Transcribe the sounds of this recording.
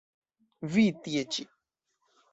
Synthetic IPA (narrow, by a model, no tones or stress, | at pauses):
vit̪iet͡ʃi